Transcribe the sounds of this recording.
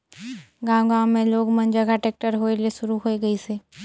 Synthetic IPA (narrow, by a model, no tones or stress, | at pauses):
ɡãːwɡãːwmẽloːɡmə̃nd͡ʒəɡaʈeːk̚ʈəɾɦoːelieʃʊɾuɦoːeɡəiseː